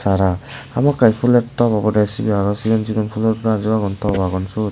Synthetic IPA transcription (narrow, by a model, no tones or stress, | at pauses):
saɾaamakːajpʰulettɔbabɔɾasibiaɾɔsiɡɔnziɡɔnpʰulɔt̚ɡaziwaɡɔntʰɔwaɡɔnsu